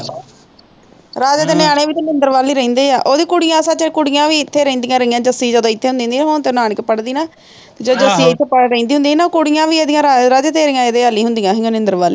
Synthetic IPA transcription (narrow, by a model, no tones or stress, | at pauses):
ɾaːd͡ʒaːt̪eːnɪjaːɽeːʋiːt̪eːnɪnd̪əɾʋaːliːɾəĩːnd̪eːaːʔoːd̪iːkʊɽɪjãːsət͡ʃːkʊɽɪjãːʋiːɪt̪ʰːeːɾẽĩːnd̪ijãːɾəjãːd͡ʒəsiːd͡ʒəd̪õːɪt̪ʰːeːɦʊ̃nd̪ĩːnd̪iːɦont̪eːnaːnɪkpəɽd̪iːnaː | t̪eːd͡ʒəd̪õəsiːɪt̪ʰːeːpəɽɾẽĩːnd̪iːɦʊ̃nd̪iːnaːkʊɽɪjãːʋiːeːd̪ɪjãːɾaɾaːd͡ʒat̪eːɾɪjãːeːd̪eːaːliːɦʊnd̪ijãːɦiõnɪ̃nd̪əɾʋaːliː